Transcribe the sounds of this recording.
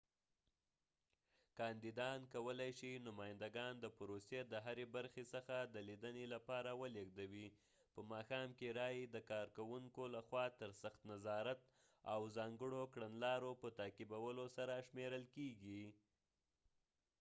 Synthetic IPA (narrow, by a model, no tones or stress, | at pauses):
kɑnd̪id̪ɑnkawəlajʃinʊmɑjɪnd̪aɡɑnd̪əpɾosed̪əɦaɾebaɾxesəxad̪əlid̪ənelapɑɾawəleɡd̪awi | pəmɑxɑmkeɾɑjd̪əkɑɾkawuŋkolaxwɑt̪əɾsaxt̪nazɑɾat̪ | awzɑŋɡəɽokɽanlɑɾopət̪ɑkibawəlosaɾaʃmeɾəlkeɡi